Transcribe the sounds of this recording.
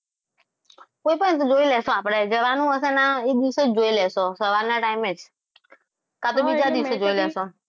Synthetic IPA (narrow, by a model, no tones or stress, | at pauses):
koipənt̪̬od͡ʒoilɛsoapɽ̃ed͡ʒəʋanũəsɛnaed̪iʋsod͡ʒoilɛsosəʋaɾnaʈaimed͡ʒ | kat̪̬obid͡ʒad̪iʋsod͡ʒoilɛso